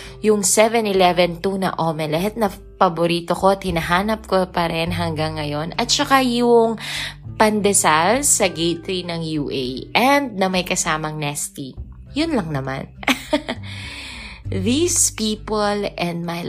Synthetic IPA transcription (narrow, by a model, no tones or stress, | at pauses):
jʊŋsɛvɛnɪlɛvɛnt̪unɐ̰ʔomɛlɐɦɛt̪̚nɐ | pɐboɾiːt̪okoɐt̪̚hɪnɐɦaːnɐp̚kopɐɾɛnɦɐŋɡaŋːɐjo̞nɐt̪̚t͡ʃɐkajʊŋpɐnd̪ɛsalsɐɡejt̪ɾinɐŋjuːʔejʔɛnd̪̚nɐmɐjkɐsaːmɐŋnɛst̪i | jʊnlɐŋnɐma̰n | ðispiːpolʔɛnd̪̚maj